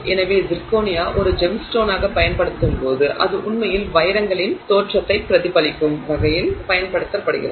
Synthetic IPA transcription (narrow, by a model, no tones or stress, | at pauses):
ɛnɐʋeːdɪɾkoːnɪjaːʔɔɾɯd͡ʒɛmsʈoːnaːɣɐpɐjɐnpɐɽɯt̪ːɯmpoːðɯʔɐ̰ðɯʔʊɳmɐjɪlʋɐjɪɾɐŋɡɐɭɪnt̪oːʈrɐt̪ːɐɪpːɪɾɐðɪpɐɭɪkːɯmʋɐɣɐjɪlpɐjɐnpɐɽɯt̪ːɐpːɐɽɯ̰ɣɪ̰rɐð